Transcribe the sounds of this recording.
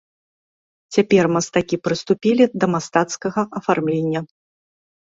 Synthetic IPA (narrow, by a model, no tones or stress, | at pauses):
t͡sʲapʲɛrmɐst̪akʲipɾɨst̪upʲilʲid̪ɐmast̪at̪skɐɣɐʔɐfarmlʲenʲːɐ